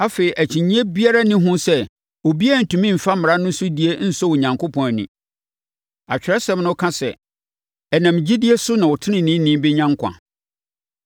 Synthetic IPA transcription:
a˦fe˨i˨ʔæ˨t͡ɕʰĩ˨ɲĩ˦ɛ˦bi˦a˦ɾa˦nɪ̃˦ɦʊ̃˦sɛ˦ | o˨bi˦æ˦˨n̩˨tʰũ˨mĩ˦m̩˨fa˦mɪ̃˨a˦nʊ̃˦sʊ˦di˦e˦n̩˦sɔ˦wo˨ɲã˨ŋkʰo˦pʰɔ̃˨n˨nḭ̃˨ | a̰˨t͡ɕᶣɪ˨ɾɛ˦sɛ̃˦mnʊ̃˦kʰã˦sɛ˨ | ɛ˨nã˨m˨d͡ʑi˦di˦e˦sʊ˦nã˨wɔ˨tʰɪ˦nɪ̃˨nĩ˦nĩ˦m˦bɪ˦ɲã˦ŋkʷʰã̰˨

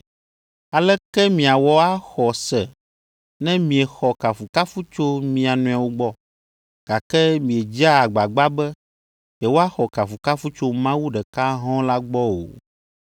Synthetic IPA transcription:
a˨lɛ˦kɛ˦mĩ˨a˨wɔ˦a˦xɔ˨sɛ˨ | nɛ̃˦mĩ˨ɛ˨xɔ˨ka˨fu˨ka˦fu˦t͡ʃo˦mĩ˨˦a˨nũ˨a˨wo˦ɡ͡bɔ˦ | ɡ̥a˨kɛ˦mĩ˨e˨d͡ʒa˦a˨ɡ͡ba˨ɡ͡ba˦bɛ˦ | jɛ˨wo˦a˦xɔ˨ka˨fu˨ka˦fu˦t͡ʃo˦mã˦wu˦ɖɛ˨ka˦ɦɔ̃˦la˦ɡ͡bɔ˦o̰˨

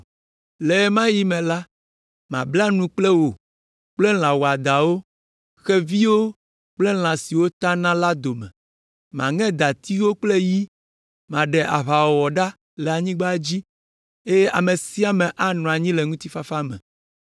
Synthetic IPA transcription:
lɛ˨˦mã˦ji˦mɛ̃˨la˦ | mã̰˨bla˦nũ˦k͡plɛ˦wo˨ | k͡plɛ˦ll̃ã˨wo˨a˨d̪a˨wo˦ | xɛ˦vi˦wo˦ | k͡plɛ˦l̃ã˨si˨wo˦t̪a˦nã˦la˦d̪o˨mɛ̰̃˨ | mã̰˨ŋɛ̃˦d̪a˨t̪i˦wo˦k͡ple˦ji˦ | mã˨ɖɛ˨ʔa˨βa˨wɔ˨wɔ˨ɖa˦ | lɛ˨a˨ɲĩ˦ɡ͡ba˦d͡ʑi˦ | e˦jɛ˦ʔa˨me˨si˦a˨mɛ̃˨ʔa˦nɔ̃˨a˨ɲĩ˦lɛ˨ŋũ˦t̪i˦fa˦fa˦mɛ̰̃˨

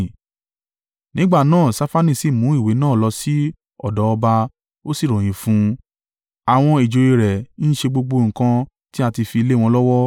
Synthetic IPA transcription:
nĩ˨˦ɡ͡ba˦˨nãː˦˨sa˧˦fa˦nĩ˦˨si˨mũ˨˦i˦˨we˨˦nãː˦˨lɔ˧si˦ | ɔ˦˨dɔ˨˦ɔ˧ba˧ | o˦si˦˨ɾɔ̃˨j̃ĩ˨fũ˧˦ | a˨w̃ɔ̃˧i˨d͡ʒo˨je˧ɾɛ˨˦n̩˦ʃe˧ɡ͡bo˧ɡ͡bo˧ŋ̩˨kã˧ | ti˦a˧ti˧fi˧i˧le˦w̃ɔ̃˧lɔ˦wɔ˦

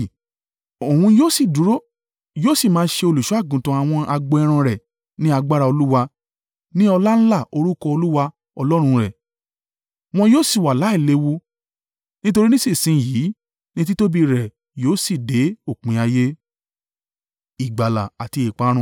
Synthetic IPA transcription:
o˨wũ˧joː˦si˦˨du˨˦ɾo˦ | joː˦si˦˨mãː˨˦ʃe˧o˧lu˨ʃu˦a˦˨ɡũ˨tũ˧a˨w̃ɔ̃˧a˧ɡ͡bɛ˧ɾ̃ã˧ɾɛ˨ | nĩ˦a˧ɡ͡ba˦ɾa˧o˧lu˦wa˧ | nĩ˦ɔ˧la˦n̩˦la˦˨o˧ɾu˦kɔ˧o˧lu˦wa˧ | ɔ˧lɔ˦ɾ̃ũ˧ɾɛ˨ | m̃ɔ̃˧joː˦˨si˦˨wa˨la˨˦i˦˨le˨˧˦wu˧ | nĩ˦to˧ɾi˦nĩ˦si˦˨sĩ˧˨jiː˨˦ | nĩ˦t̬i˦to˦bi˧ɾɛ˨ | joː˨˦si˦˨de˨˦o˦˨k͡pĩ˨˦a˧je˦ | i˨ɡ͡ba˨la̰˨a˨ti˧e˨k͡pã˨˦ũ˧˦

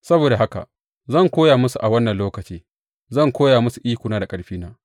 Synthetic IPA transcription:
sɐ˦boː˨da˨ɦa˦ka̰˨ | zɐ˦˨ŋkʷoː˦jaː˨mʊ˦su˨ʔa˨wɐ˦nːɐ˨nloː˦kɐ˨t͡ʃiː˦ | zɐ˦˨ŋkʷoː˦jaː˨mʊ˦su˨ʔiː˦kʷʊ˨naː˦da˨kʼɐ˦ɽɸiː˦naː˦

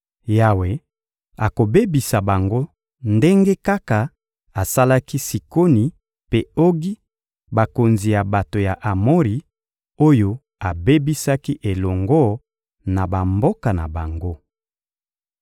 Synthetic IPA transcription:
ja˨we˨ | a˨ko˨be˦bi˨sa˨ba˨ŋɡo˦ | nde˦ŋɡe˦ka˦ka˨ | a˨sa˦la˦ki˦si˨ko˦ni˨ | pe˦o˦ɡi˦ | ba˨ko˨nzi˨ja˨ba˨to˨ja˨ʔa˨mo˦ʁi˨ | o˦jo˦ | a˨be˦bi˦sa˦ki˦ʔe˨lɔ˨ŋɡɔ˦ | na˨ba˨mbo˦ka˨na̰˨ba˨ŋɡo˦

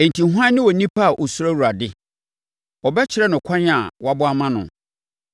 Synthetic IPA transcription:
e˨n˨tʰi˨ɦu˦ãː˦ɪ̃˦wɔ˨nĩ˦pʰa˦˨ʔɔ˨su˦ɾa˦wu˨ɾa˨dɪ˦ | ɔ˨bɛ˦t͡ɕʰɪ˨ɾɛ˦nʊ̃˨kʰɔ̃˦n˦a̰˨wa˦bʊ˦a˦mã˦nʊ̰̃˨

